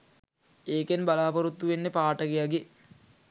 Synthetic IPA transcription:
eːkenbalaːpɐɾut̪ːuʋenːepaːʈəɡejaɡe

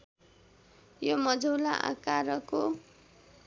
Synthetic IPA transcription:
jomʌd͡zʌwlaʔa̰kaɾʌko

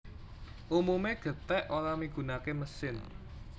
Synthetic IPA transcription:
ʔumumeɡ̥ə̤t̪ɛʔolamiɡ̥ṳnakeməsɪn

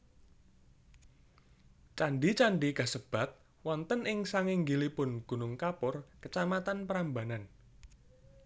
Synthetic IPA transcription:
t͡ʃanɖit͡ʃaɳɖikasəb̥a̤t̪̚ | wɔnt̪ənʔɪŋsaŋɪŋɡilipʊnɡ̥ṳnʊŋkapʊrkət͡ʃamat̪anpəɾamba̤nan

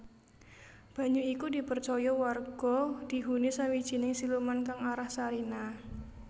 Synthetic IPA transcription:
b̥a̤ɲuikudipərt͡ʃɔjɔwarɡ̥ɔd̥i̤ɦunisawid̥ʒ̥i̤nɪŋsilumankaŋaɾahsaɾina

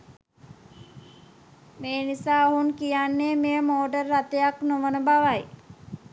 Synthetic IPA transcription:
meːnisaːoɦunkijanːeːmejəmoːɖərːat̪ejaknoʋənəbaʋaj

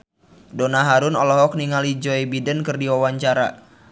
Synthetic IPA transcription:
donaɦaɾunɔlɔɦɔk̚niŋalid͡ʒɔibidənkərdiwawaɲt͡ʃaɾa̰

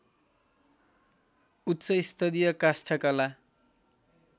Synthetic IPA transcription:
utːt͡sʌist̪ʰʌd̪ijʌkasʈʰʌkala

